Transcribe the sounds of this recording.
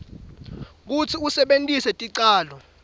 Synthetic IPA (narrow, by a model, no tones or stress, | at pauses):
k̬ut͡sʰiusɛɓentʼisɛtʼiǀaːlɔ